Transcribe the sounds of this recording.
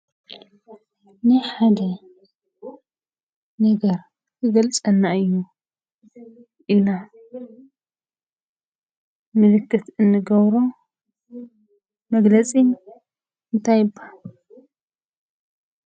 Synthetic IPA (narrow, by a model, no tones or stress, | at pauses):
nɨħad̪ɐ | nɐɡɐɾ | kʰɨɡɐlt͡sʼɐnːaɨjːu | ʔilːa | mɨlɨkʰːɨt̪ɨnːɨɡɐβɾo | mɐɡlɐt͡sʼi | ɨnt̪ʰajɨbːal